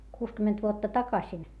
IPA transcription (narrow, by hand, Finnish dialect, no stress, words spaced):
kuːskymːent ʋuotːɑ tɑkɑsin